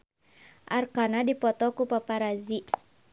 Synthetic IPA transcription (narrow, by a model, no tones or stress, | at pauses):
ʔarkanadipɔt̪ɔkupapaɾazi